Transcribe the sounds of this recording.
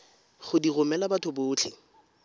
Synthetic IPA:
χʊdirʊmɛlabatʰʊbʊːt͡ɬʰɪ

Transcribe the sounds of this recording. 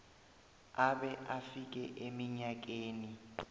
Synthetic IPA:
aɓɛʔafik̬ɛʔemiɲak̬eːni

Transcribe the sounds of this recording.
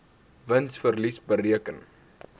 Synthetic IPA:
vənsfərlisbəriəkən

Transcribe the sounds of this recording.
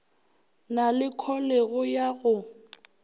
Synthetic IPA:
nalɪkʰɔleɣʊjaɣʊ

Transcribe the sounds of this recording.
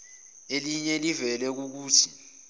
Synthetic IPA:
eliɲɛlivɛlɛk̬uk̬uːtʰi̥

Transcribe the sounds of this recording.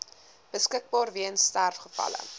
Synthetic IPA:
b̥əskək̚bɑːrviənstærfχəfɐ̰lə̰

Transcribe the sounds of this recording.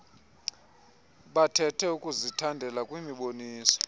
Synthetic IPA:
ɓatʰɛtʰɛukʼuzitʰandʱɛlakʼwimiɓoniːsɔ̥

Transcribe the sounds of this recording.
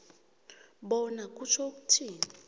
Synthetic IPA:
ɓɔnakʼut͡ʃʰokʼutʰiːn

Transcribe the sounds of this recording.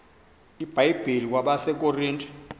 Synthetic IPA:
ib̥ʱajib̥ʱelikwaɓasɛkʼoriːntʼ

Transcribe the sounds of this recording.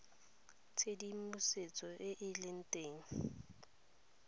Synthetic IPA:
t͡sʰedimʊset͡sʼɔʔɪʔɪlɪn̩tʼeːŋ̩

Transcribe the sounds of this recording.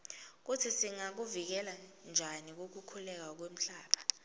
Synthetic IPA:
k̬utʰisiŋak̬uvik̬ɛland͡ʒʱanik̬ok̬ukʰulɛk̬ak̬wem̩ɬaːɓʰḁ

